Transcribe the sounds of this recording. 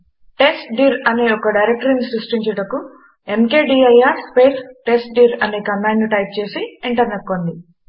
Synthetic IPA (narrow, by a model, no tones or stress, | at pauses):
ʈe̞sʈɖiɾɐneɔkɐɖɐjɾek̚ʈɐɾinisɾusʈiɲt͡ʃɐɽɐku | emkeːɖiːɐjaːɾspeːtʈe̞sʈ̚ɖiːɾɐneːkɐmːaːnnuʈɐjp̚t͡ʃe̞ːsiiɳʈɐɾneʈkːond̪i